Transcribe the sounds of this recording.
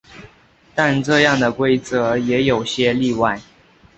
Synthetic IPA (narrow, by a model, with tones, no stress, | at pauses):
t̪a˥˧nʈ͡ʂɤ˥˧jɑ˥˩ŋd̪ə˩kwe˥ɪt͡sɤ˧˦jɛ˧˥jo˨˩ʊɕjɛ˥li˥˧wa˥˩ɪ